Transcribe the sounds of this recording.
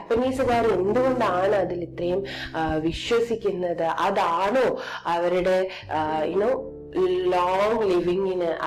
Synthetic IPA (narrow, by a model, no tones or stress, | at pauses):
pːɐniːsuɣaːɾend̪ɯʋɐnd̪aːɳɨɐðɪlit̪rɐjumʋiʃʋɐsikʲːunːɐðɨʔɐðaːɳoːɐʋɐɾɯɽe | inoː | loːŋɡliʋiŋinɨʔ